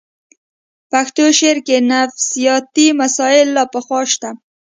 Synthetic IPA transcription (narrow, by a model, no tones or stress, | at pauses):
paxt̪oʃeɾkenafsijɑt̪imasɑɪlːɑpəxwɑʃt̪a